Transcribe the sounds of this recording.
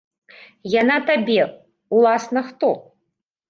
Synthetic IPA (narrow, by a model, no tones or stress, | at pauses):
janat̪abʲɛ | ulˠasnɐxt̪ɔ